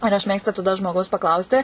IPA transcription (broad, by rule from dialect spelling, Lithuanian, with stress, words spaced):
ɪr ɐʃ ˈmʲeːkstʊ tɐˈdɐ ʒmoːˈɡɐʊs pɐˈklˠɐʊsʲtʲɪ